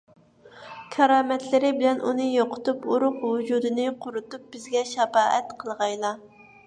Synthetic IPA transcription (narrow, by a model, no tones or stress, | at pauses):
kʲʰɛɾɑːmɛt̪lɪɾɪbɪlɛnʔunɨjoqʰʊ̥t̪upuɾʊqwʊd͡ʒud̪ɨnɨqʰʊɾʊt̪up̚b̥ɪzɡʲɛʃɛfɑːʔɛt̪qʰəlˠʁɑjlˠɑ